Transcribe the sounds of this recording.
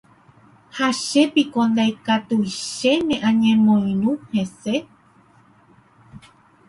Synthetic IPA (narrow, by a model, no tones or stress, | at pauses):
haʃepikõnd̪ajkat̪uʃe̞mẽʔãɲẽmõj̃nũhe̞se